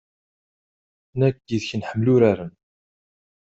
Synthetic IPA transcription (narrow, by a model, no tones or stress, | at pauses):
nækːiðçənħəmːlʊɾaɾən